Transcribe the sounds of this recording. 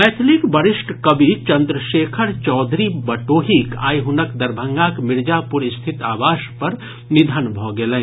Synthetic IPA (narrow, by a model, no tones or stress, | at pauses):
mɛːt̪ʰlɪkbɐɾɪʃʈkɐbʱit͡ʃɐ̃nd̪ɾəʃeːkʰəɾt͡ʃɔːd̪ʱɾibɐʈoːɦika̰ːiɦʊnəkd̪ɐɾbʱə̃ŋɡaːkmɪɾd͡ʒaːpʊɾɪst̪ʰɪt̪aːʋaːʃpɐɾ | nɪd̪ʱənbʱoɡelẽː